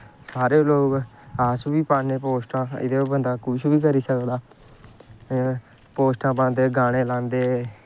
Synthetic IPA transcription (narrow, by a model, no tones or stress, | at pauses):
saːɾeːloːɡaːsbiːpaːneːpoːsʈãːɪ̰d̪eːbənd̪aːkʊʃʋiːkəɾiːsəkd̪aː | poːsʈãːbãːnd̪eːɡaːɽ̃eːlãːnd̪eː